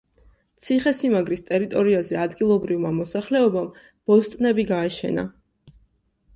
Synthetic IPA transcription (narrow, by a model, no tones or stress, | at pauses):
t̪sʰiχɛsimaɡɾist̪ʼɛɾit̪ʼɔɾiazɛad̪ɡilˠɔbɾivmamɔsaχlɛɔbam | b̥ɔst̪ʼnɛbiɡaɛʃɛ̰na̰